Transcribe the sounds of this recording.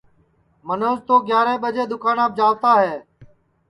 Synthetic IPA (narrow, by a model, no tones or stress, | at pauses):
mənoːzt̪oːɡjaːɾẽːɓəd͡ʒeːd̪ʊkaːnaːb̚d͡ʒaːʋt̪aːɦɛː